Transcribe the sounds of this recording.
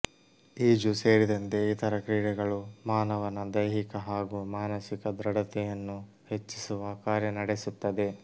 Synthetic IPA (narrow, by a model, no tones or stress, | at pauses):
iːd͡ʒuse̞ːɾid̪ɐnt̪e̞it̪ɐɾɐkɾiːɽɛɡɐɭumaːnɐʋɐnːɐd̪ɐjɦikɐɦaːɡumaːnɐsikɐd̪ɾɐɽɐt̪ɛjɐnːu | he̞t͡ʃːisuʋɐkaːɾjɐnɐɽesut̪ːɐd̪e̞